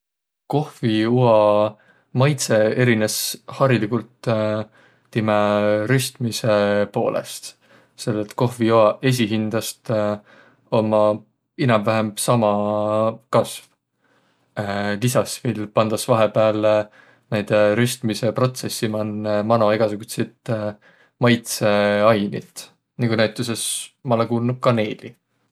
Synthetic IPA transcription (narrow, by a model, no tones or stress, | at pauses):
ko̞hviuɑ | mɑjt̪se̞e̞ɾineshɑɾilikult̪ | imeɾyst̪mise̞po̞̰ːlʔḛst̪ | se̞lːet̪ːˑko̞hviuɑe̞s̬iɦind̪̥ɑst̪ | o̞mɑ | inɑmvæɦemb̥sɑmɑ | kɑsv | lisɑsvilpɑnd̪̥ɑsvɑɦepeɑle | næjd̪̥eɾyst̪mise̞pro̞t̪se̞sːimɑnːemɑnoiɡ̥ɑsuɡ̥ut̪set̪ | mɑjt̪se̞ɑjnit̪ˑ | niŋkunæjt̪ːˑuse̞smɑlekuːlnud̪̥̚kɑne̞ːli